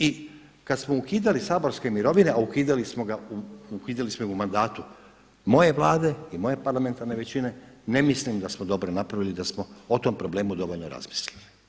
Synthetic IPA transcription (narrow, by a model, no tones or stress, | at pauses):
i | kad̪smoukiːd̪alisaːbo̞ɾske̞miɾo̞ʋine̞aukiːd̪alismo̞ɡauukiːd̪alismoimumand̪aːt̪u | mo̞je̞ʋlˠaːd̪e̞imo̞je̞paɾlame̞nt̪aɾne̞ʋe̞t͡ɕine̞ne̞mislimd̪asmod̪o̞bɾonapɾaʋilid̪asmoot̪o̞mpɾo̞ble̞ːmud̪o̞ʋo̞lʲnoɾa̰zmi̥slʲili